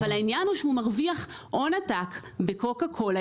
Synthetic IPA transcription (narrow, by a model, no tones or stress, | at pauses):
alainjanuʃeumaʁviaχʔo̞natakbe̞ko̞kakʰo̞l